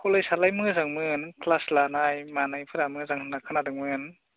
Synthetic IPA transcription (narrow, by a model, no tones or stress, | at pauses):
kʰolɯjsat̚lajmɯzaŋmɯnkʰlaslanajmaːnajpʰɯdamɯzaŋnakʰanadɯŋmɯn